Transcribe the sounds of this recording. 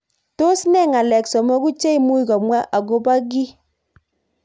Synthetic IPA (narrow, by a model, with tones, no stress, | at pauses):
to˦snɛ˦˨ŋa˨lɛ˨ksɔ˨mɔ˦ku˦t͡ʃe˦i˦mu˦jkɔ˨mwa˦ʔa˨ɡo˦ba˦ɡi˦